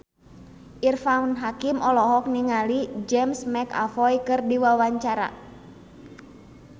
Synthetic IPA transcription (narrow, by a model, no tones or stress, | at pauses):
ʔirfanɦakimɔlɔɦɔk̚niŋalid͡ʒɛmsmɛka̰fɔjkɨrdiwawaɲt͡ʃaɾa̰